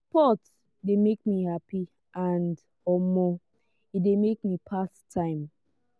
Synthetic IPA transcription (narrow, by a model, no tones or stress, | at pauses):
pɔt | demekmihapi | ʔãnd | ɔmɔ | idemek̚mipʰasʰãɪ̃m